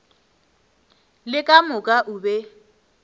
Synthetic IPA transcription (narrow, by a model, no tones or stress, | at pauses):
lɪkʼamʊkʼaʔʊbɛ